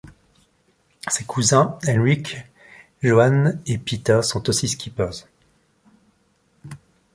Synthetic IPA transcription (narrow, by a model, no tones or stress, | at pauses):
sekʰuzɛ̃ɛnʁik | ʒoanepit̪asɔ̃t̪osiskʲipœʁz